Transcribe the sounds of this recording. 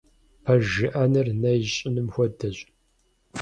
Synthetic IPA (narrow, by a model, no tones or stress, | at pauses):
pʰɐʒɨʔɐnɨrnɐjɕʼɪnɨmxʷɔdɐɕʼ